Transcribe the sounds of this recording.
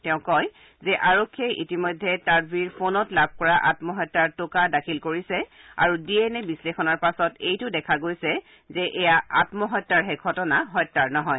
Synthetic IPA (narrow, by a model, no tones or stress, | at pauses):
tɛʊ̃kɔj | zɛʔaɹokʰːieʔitimɔjdʱːɛtaɹbiɹpʰonɔtlabʱkɔɹaʔatmɔɦɔjtːaɹtʊkadakʰilkoɹisɛ | a̰ɹudiɛnɛbislexɔnaɹpasɔtejtʊdɛkʰaɡojsɛ | zɛʔɛjaatmɔɦɔjtːaɹɦɛɡʱɔtɔnaɦɔjtːaɹnɔɦɔj